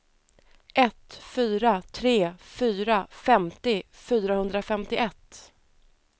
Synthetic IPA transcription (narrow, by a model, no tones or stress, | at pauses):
ʔɛt̪fyːɾat̪ʰɾeːfyːɾafɛmt̪ɪfyːɾahɵnd̪ɾafɛmt̪ɪʔɛt̪ː